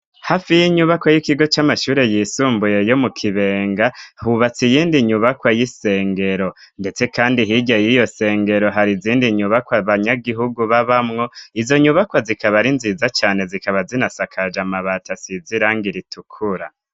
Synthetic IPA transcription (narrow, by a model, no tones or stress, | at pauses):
hafijiɲuβakwajikiɡo̞t͡ʃamaʃuːɾe̞jiːsuːmbuje̞jo̞mukʰiβe̞ːŋɡahuβat͡sijiːndiɲuβakwajise̞ːŋɡe̞ɾo̞ | nde̞t͡se̞kaːndiɦiɟajijo̞se̞ːŋɡe̞ɾo̞ɦaɾiziːndiɲuβakwaβaɲaɡiɦuɡuβaβamŋo̞izo̞ɲuβakwazikaβaɾinzizat͡ʃaːne̞zikaβazinasakʰad͡ʒamaβatasiziɾaːŋɡiɾitukʰuɾa̰